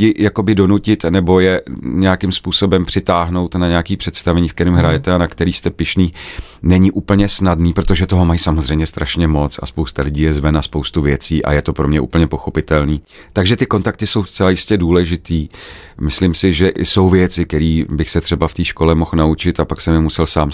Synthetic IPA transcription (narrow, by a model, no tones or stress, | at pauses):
jɪjako̞bɪdo̞nucɪt̪nɛbo̞jɛɲɛakɪmspuːso̞bɛmpr̥ɪt̪aːɦno̞wt̪naɲɛakiːpr̥ɛt̪st̪avɛɲiːfkt̪ɛɾimɦɾajɛt̪ɛanakt̪ɛɾiːst̪ɛpɪʃniː | nɛɲɪʔuːpl̩ɲɛsnadniːpɾo̞t̪o̞ʒɛt̪oɦo̞majsamozr̝ɛjmɲɛst̪ɾʔaʃɲɛmo̞t͡sa̰spowst̪alɪɟiːjɛzvɛnaspo̞wst̪uvjɛt͡siːʔa̰jɛt̪o̞pɾo̞mɲɛʔṵːpl̩ɲɛpo̞xo̞pɪt̪ɛlniː | t̪aɡʒɛt̪ɪko̞nt̪ak̚t̪ɪso̞wst͡sɛlajɪscɛduːlɛʒɪt̪iː | mɪslɪmsɪʒɛʔɪso̞wvjɛt͡sɪkɛɾiːbɪxsɛt̪r̝̥ɛbaft̪iːʃko̞lɛmo̞xnaut͡ʃɪt̪apaksɛmɛmusɛlsaːm